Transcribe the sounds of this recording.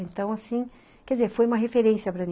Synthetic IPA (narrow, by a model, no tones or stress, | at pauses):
ẽnt̪ɐ̃w̃asĩ | kɛdd͡ʒɪzeɾfojũmɐɦefeɾẽsiɐpɾɐnĩ